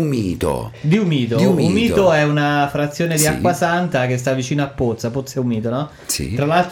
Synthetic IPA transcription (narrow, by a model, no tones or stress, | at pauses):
miːt̪o̰d̪iumiːt̪̬oumːiːtt̪oɛunafɾat̪sːjoːned̪ia̰kwasant̪ak̟est̪avːit͡ʃiːnoapːot̪sːapot̪sːɛumiːt̪onɔ | sḭt̪ɾalalt̪